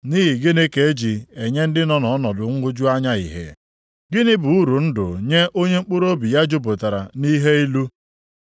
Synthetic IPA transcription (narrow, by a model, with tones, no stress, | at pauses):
ni˦ɦi˨ɡɪ˦ne˦ke˨e˦d͡ʒi˨e˨ɲe˦n̩˦dɪ˦nɔ˦nɔ˨ɔ˦nɔ˨dʊ˨ŋ̩˦ɡʊ˦d͡ʒu˦a˦ɲa˦i˨ɦḛ˨ | ɡɪ˦nɪ˦bu˨u˦ɾu˨n̩˦dʊ̰˨ɲe˦ʔo˦ɲe˦ŋ͡m̩˦k͡pʊ˦ɾo˦bi˨ja˦d͡ʒo˦bo˨ta˨ɾa˨ni˦ɦe˦i˦lu˦